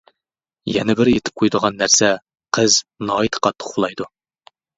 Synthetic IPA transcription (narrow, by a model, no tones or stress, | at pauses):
jɛnɛbɪɾet̪ʰɪ̥p̚qʰujd̪əʁɑnːæɾsɛ | qʰəznɑːit̪ʰqɑt̪ʰːə̥qχulˠɑjd̪u